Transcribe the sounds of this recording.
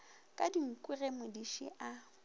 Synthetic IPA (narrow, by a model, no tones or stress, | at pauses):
kʼadiŋ̩kʼʊremʊdiʃḭʔa